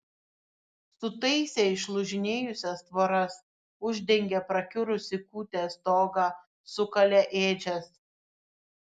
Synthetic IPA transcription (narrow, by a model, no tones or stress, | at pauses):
sʊt̪ɐɪsʲeɪʃlˠʊʒʲɪnʲeːjʊsʲɛst̪ʋɐɾɐs | ʊʒʲd̪ʲɛŋʲɡʲɛpɾɐkʲʊɾʊsʲɪkuːt̪ʲeːst̪oːɡɑː | sʊkɐlʲɛʔeːd͡ʒʲɛs